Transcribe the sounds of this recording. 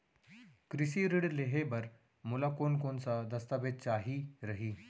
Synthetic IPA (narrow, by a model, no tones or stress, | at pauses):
kɾisiɾiɽleɦebəɾ | mulakoːnkonsad̪əst̪abed̪̚t͡ʃaːɦiɾəɦiː